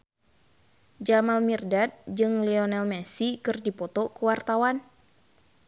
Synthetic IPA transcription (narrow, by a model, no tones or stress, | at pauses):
d͡ʒamalmirdat̪̚d͡ʒɨŋliɔnɛlmɛsikɨrdipɔt̪ɔkuwart̪awan